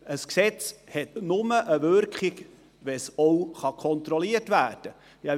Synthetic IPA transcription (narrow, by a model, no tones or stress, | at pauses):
əsksɛt͡shɛtnʊməʔəvʏɾkχiɡ | ʋɛsɔwχɑkʰɔnt̪ɾɔliətvæːrd̥ə | jɑ